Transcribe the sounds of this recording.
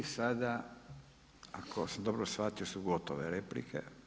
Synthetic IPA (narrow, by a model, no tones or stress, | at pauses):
sad̪a | akʰosamd̪obɾosfat̪iosuɡot̪oʋeɾeplḭkʰḛ